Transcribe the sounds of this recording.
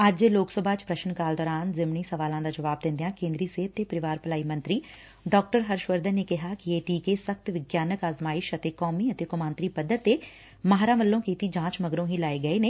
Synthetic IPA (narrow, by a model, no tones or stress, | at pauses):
əd͡ʒloːksəbʱaːt͡ʃpɾəʃənkaːld̪ɔːɾaːnzɪmɳiːsəʋaːlãːd̪aːd͡ʒəʋaːb̚d̪ɪ̃nd̪ejãːkẽːnd̪ɾiːseːt̪ːepəɾɪʋaːɾpəlaːiːmə̃nt̪ɾiː | ɖɔːk̚ʈəɾɦəɾʃʋəɾd̪ənːekɪɦaːkieːʈiːkesəkt̪ʋɪɡjaːnəkaːzmaːɪʃət̪eːkɔːmiːət̪eːkʊmãːnt̪ɾiːpəd̪ːət̪eː | maɦɾãːməlːõːkiːt̪iːd͡ʒãːt͡ʃməɡɾõːɦiːlaːeɡəeːneː